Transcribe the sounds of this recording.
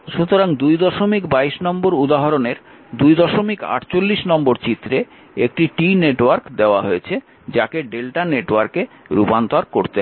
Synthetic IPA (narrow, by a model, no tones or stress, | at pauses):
ʃut̪oɾaŋd̪ujd̪ɔʃomikbaiʃnɔmboɾud̪aɦaɾoneɾ | d̪ujd̪ɔʃomika̰ʈt͡ɕolːiʃnɔmboɾt͡ɕit̪ːɾe | ek̚ʈiʈineʈwaɾkd̪eoaɦoet͡ɕʰe | d͡ʑakeɖelʈaneʈwaɾke | ɾupant̪aɾkoɾt̪e